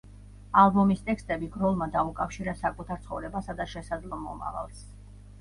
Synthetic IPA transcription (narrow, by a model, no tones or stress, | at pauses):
alˠbɔmist̪ʼɛkst̪ʼɛbiɡɾɔlˠmad̪aukʼafʃiɾasakʼut̪ʰaɾt̪sʰχɔ̰vɾɛbasad̪aʃɛsad̪zlˠɔmɔ̰ma̰va̰lˠs